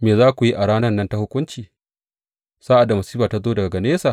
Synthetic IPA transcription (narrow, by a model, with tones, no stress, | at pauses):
meː˨zaː˦kʷu˨ji˦ʔa˨ɽaː˦nɐ˦rnːɐ˦nta˦hʊ˦kʷʊ˦nt͡ʃiː˨ | saː˦ʔa˨da˨mɐ˨siː˦ɸaː˨ta˦zoː˦dɐ˨ɡa˨ɡɐ˨neː˦saː˨